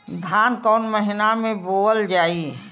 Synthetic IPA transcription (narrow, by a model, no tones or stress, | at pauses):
d̪ʱaːnkɔːnməɦɪnamẽboːəld͡ʒaːi